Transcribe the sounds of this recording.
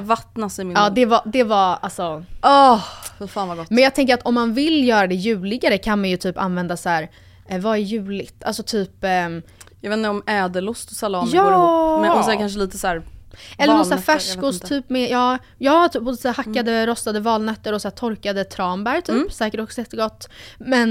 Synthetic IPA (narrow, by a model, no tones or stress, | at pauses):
vat̪nasɪmɪɑːd̪ɛvad̪ɛvaalsɔɔffaːnvaɡɔtmɛnjɑːɡt̪ʰɛŋk̬əɾat̪ɔmːanvɪljœːɾad̪ɛjʉ̟ːlɪɡaɾəkʰanmanjɵt̪ʰyːpa̰nvɛnd̪asæːɾ | vaɛjʉ̟ːlɪɡt̪alsɔt̪ʰyːp | jɑɡveːt̪nɾɔmɛːd̪əlʊst̪ɔsalɔːjɑːɔsɛnkʰanʂəliːt̪əsæːɾʔɛlːənɔsæːfæʂkʊst̪ʰyːpːmɛjɑː | jɑːt̪ʰyːpːosæːhakːad̪əɾɔst̪ad̪əvɑːlnœt̪ːəɾɔsæːt̪ʰɔɾkad̪ət̪ʰɾɑːmbæɾt̪ʰyːpsɛːkəʈɔksɔjɛt̪ːəɡɔt̪ːmɛn